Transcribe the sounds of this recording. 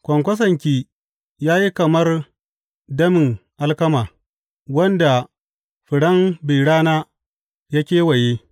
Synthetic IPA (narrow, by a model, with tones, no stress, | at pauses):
kʷɐ˨ŋkʷɐ˦s̬ɐ˨ŋkʲiː˦ | jaː˦ji˦kɐ˨mɐ˦r | dɐ˦mɪ˨ŋʔa˦lkɐ˦maː˨ | wɐ˦nda˨ | ɸɪ˨ɽɐ˦mbi˨ɽaː˦naː˦ | jaː˦kʲeː˦wɐ˨je˦